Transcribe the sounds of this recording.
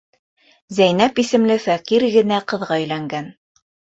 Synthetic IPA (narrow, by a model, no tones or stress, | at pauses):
zæjnæpisɘ̆mlɘfæqiɾɡɘ̆næqɤ̆ðʁɑɵ̆jlæŋɡæn